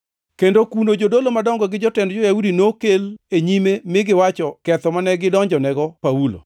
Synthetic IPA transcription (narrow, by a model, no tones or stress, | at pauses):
kendokunod͡ʒodolomadɔŋɡɔɡɪd͡ʒɔtɛndd͡ʒɔjaudinokeleɲimemɪɡɪwat͡ʃɔkɛt̪ɔmanɛɡɪdɔɲd͡ʒɔnɛɡɔpaulo̰